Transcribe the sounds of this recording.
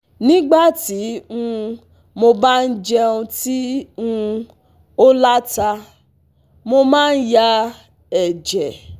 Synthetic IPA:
nĩ˦ɡ͡ba˦˨ti˨˦ũ˦˧ | mo˧ba˦n̩˦d͡ʒɛ˦ũ˧ti˦ũ˦˧ | o˦la˦ta˧ | mo˧mãː˦˧n̩˦ja˧ | ɛ˨d͡ʒɛ˨

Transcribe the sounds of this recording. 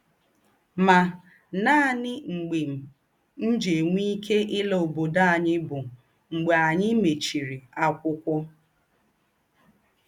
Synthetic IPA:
ma˨ | na˦˨nɪ˦ŋ͡m̩˨ɡ͡be˨m̩˨ | n̩˦d͡ʒe˨ŋʷi˦kʰe˦ʔɪ˦lo˨bo˨da˦a˨ɲɪ˦bʊ˨ | ŋ͡m̩˨ɡ͡be˨a˨ɲɪ˦me˨t͡ʃi˨ɾi˨a˦kʷʊ˦kʷʊ˦

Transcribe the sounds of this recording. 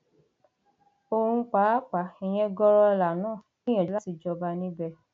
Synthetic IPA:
o˧hũ˧˦k͡pa˨˦k͡pa˨˦ɛ˧j̃ɛ̃˧ɡɔ˧˦ɾɔ˧la˨nãː˦˨nĩ˦ɛ̃˨˦la˦ti˧d͡ʒɔ˧ba˧nĩ˦bɛ˧

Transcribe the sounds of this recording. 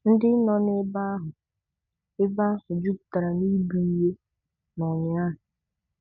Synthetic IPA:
n̩˦dɪ˦nɔ˨nɪ˦ba˦a˦ɦʊ˨ | ɪ˦ba˦a˦ɦʊ˨d͡ʒu˦ku̥˨ta˨ɾa˨ni˦bi˨i˦ɦe˦ | nɔ˨ɲɪ˨a˦ɦʊ˨

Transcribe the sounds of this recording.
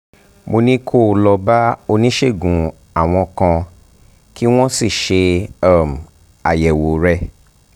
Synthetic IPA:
mo˧nĩ˦kʰo˦˨˧lɔ˧ba˦o˧nĩ˦ʃe˦˨ɡũ˨ | a˨w̃ɔ̃˧kã˧ | ki˦w̃ɔ̃˦si˦˨ʃe˧a˦˨m̩˨ | a˨jɛ˨wo˨ɾɛ˦

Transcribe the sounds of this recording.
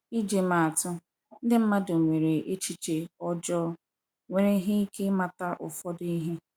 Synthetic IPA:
i˦d͡ʒe˨ma˨a˨tʊ˦ | n̩˦dɪ˦m̩˦ma˦do˨ŋʷe˨ɾe˨ʔe˦t͡ʃi˦t͡ʃe˨ɔ˦d͡ʒɔ˦ɾ | ŋʷe˨ɾe˦ɦe˦i˦ke˦ma˨ta˦ʔʊ̰˨fɔ˦di˦ɦe˦

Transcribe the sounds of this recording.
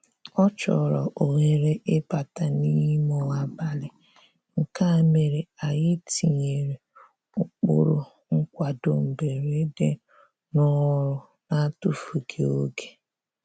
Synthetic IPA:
ɔ˦t͡ʃɔ̰˨ɾɔ˨ʔo˨ŋe˨ɾe˦ʔɪ˦pa˨ta˨ni˦mɔ˨a˨ba˦lɪ˨ | ŋ̩˨ka˦˨me˨ɾe˨a˨jɪ˦tʰi˨ɲe˨ɾe˨ | ʊ˨k͡pʊ̰˦˨ɾʊ˨ | ŋ̩˦kʷa˨do˨m̩˨be˨ɾe˦de˦ | nɔ˦ɾʊ˨ | na˦tʊ˦fu˨ɡʰe˨o˦ɡe̥˨

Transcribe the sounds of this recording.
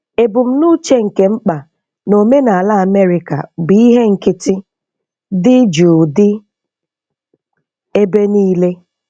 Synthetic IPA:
e˨bʊ˨m̩˦nu˦t͡ʃe˦ŋ̩˨ke˨ŋ͡m̩˦k͡pa˨ | no˨me˦na˨a˨la˦a˨me˦ɾɪ˨ka̰˨bi˦ɦe˦ŋ̩˨kɪ˦tɪ˦ | dɪ˦d͡ʒuː˨dɪ˦ | e˦be˦niː˦le˦

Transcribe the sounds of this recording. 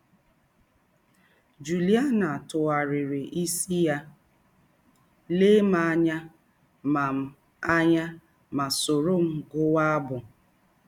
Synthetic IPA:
d͡ʒu˨li˦a˦na˨tʊ˨wa˨ɾɪ˨ɾɪ˨ʔi˦si˦ja˦ | le˦ma˨a˦ɲa˦ | ma˨m̩˨ | a˦ɲa˦ | ma˨so˨ɾo˦˨m̩˨ɡʊ˦wa˦a˦bʊ˨

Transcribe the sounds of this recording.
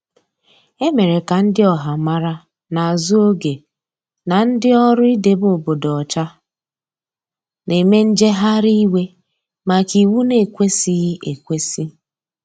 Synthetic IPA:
e˦me˨ɾe˨ka˨n̩˦dɪ˦ɔ˨ɦa˨ma˦ɾa˦ | na˨zu˦o˦ɡe˨ | na˨n̩˦dɪ˦ɔ˦ɾʊ˦i˦de˨bo˨bo˨dɔ˨ɔ˨t͡ʃa˦ | ne˨me˦n̩˦d͡ʒe˦ɦa˦ɾi˦i˦we˦ | ma˨ki˨wu˦ne˨˦˨kʷe˦si˦e˨kʷe˦si˦

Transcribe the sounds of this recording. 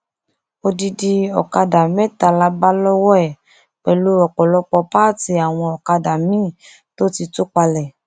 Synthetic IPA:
o˧di˧di˧ɔ̰˨ka˧da˨mɛ˦ta˧la˧ba˦lɔ˦wɔ˦ɛ˨ | k͡pɛ˨lu˧˦ɔ˨k͡pɔ˨lɔ˧k͡pɔ˧pa˦ti˧a˨w̃ɔ̃˧ɔ˨ka˧da˨mĩ˦˨ | to˦ti˧to˦k͡pa˧lɛ˨

